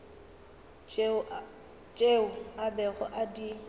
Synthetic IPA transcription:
t͡ʃʼeʊabɛɣɔ̰ʔadi

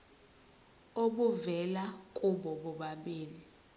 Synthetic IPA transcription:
oɓuvɛlakʼuɓɔɓɔɓaɓeːli

